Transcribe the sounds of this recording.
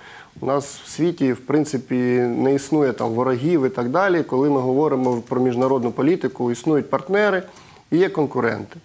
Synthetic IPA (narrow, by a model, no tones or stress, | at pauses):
ʊnɑsw̥sʲʋʲitʲiwpɾɪnt̪sɪpʲinɛisnujɛt̪ɑ̰mʋɔɾɐɦʲiʋɪt̪ɑɡd̪ɑlʲikɔlˠɪmɪɦɔʋɔɾɪmɔpɾɔmʲiʒnɐɾɔd̪nʊpɔlʲit̪ɪkʊisnujʊt̚ʲpɐrt̪nɛɾɪ | ijɛkɔnkʊɾɛ̰nt̪ɪ̥